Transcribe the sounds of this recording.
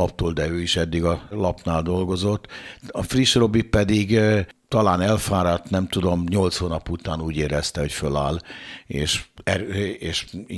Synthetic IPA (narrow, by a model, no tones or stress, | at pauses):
ɒpt̪oːld̪ɛøːiʃɛd̪ːiɡɒlɒpnaːld̪o̞lɡo̞zo̞t̪ːɒfriʃro̞bipɛd̪iɡt̪ɒlaːnɛlfaːɾaːt̪nɛmt̪ud̪o̞mɲo̞lt̪shoːnɒput̪aːnuːɟeːɾɛst̪ɛɦo̞cføla̰ːleːʃɛɾeːʃ